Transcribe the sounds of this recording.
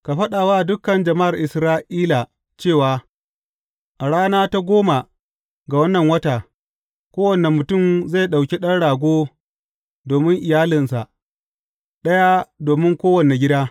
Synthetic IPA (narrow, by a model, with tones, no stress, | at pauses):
ka˨ɸɐ˦ɗaː˨waː˦˨dʊ˦kɐ˨nd͡ʒɐ˨ma˦ʔa˨rʔɪ˨sɾaː˦ʔiː˦la˨ | t͡ʃeː˦˨waː˨ | ʔa˨ɽaː˦naː˦ta˦ɡʷoː˦ma˨ | ɡa˨wɐ˦nːɐ˨ŋwɐ˦taː˨ | kʷoː˦wɐ˨ne˨mʊ˨tʊ˦˨mza˦˨ɗa˨wkʲi˦ɗɐ˦nɽaː˨ɡʷoː˦ | doː˨mɪ˦ŋʔɪ˨jaː˦lɪ˨nsa˨ʔ | ɗɐ˦ja˦doː˨mɪ˦ŋkʷoː˦wɐ˨ne˨ɡʲɪ˦daː˦